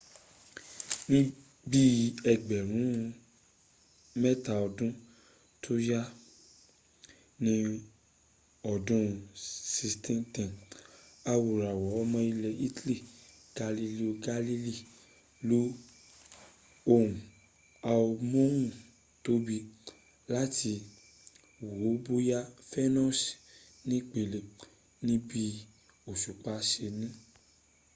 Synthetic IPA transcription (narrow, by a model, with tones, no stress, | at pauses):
nĩ˦ | bi˦ɛ˨ɡ͡bɛ˨ɾ̃ũ˨˦ | mɛ˦ta˨ɔ˧dũ˦ | tʰo˦ja˦ | nĩ˦ | ɔ˨dũ˦si˧stɛ̃˦tɛ̃˨ | a˧wo˨ɾa˨wɔ˨˦ɔ˦mɔ̃˧i˧lɛ˧i˦tli˦˨ | ɡ̥a˧li˧li˦o˧ɡa˧li˧li˦˨ | lu˦ | o˦˨ũ˨ | a˧o˧mõ˦wũ˦˨ | to˦bi˧ | la˦ti˧ | wo˨˦bo˦ja˦fɛ˦nɔ̃˦s | nĩ˦k͡pe˨le˨ | nĩ˦bi˦ | o˨ʃu˨k͡pa˨˦ʃe˧nĩ˦